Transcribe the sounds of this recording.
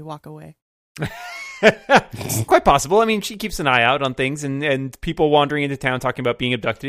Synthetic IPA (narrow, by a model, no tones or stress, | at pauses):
wɔkəweɪ | skʰw̥aɪt̚pʰɑsəbl̩ˠaɪmĩnʃikipsɨ̃naɪaʊɾn̩θɪ̃ŋzɨ̃nɨ̃npʰipl̩ˠwɑ̃ndə˞ɪ̃ŋɪ̃ntʉtʰãʊ̃ntʰɔkɪ̃ŋɨəbaʊt̚b̥iɪ̃ŋɨb̚dʌk̚tɨ